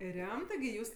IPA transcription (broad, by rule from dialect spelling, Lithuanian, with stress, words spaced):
ˈrʲɛmtɜ ɡʲɪ ˈjuːs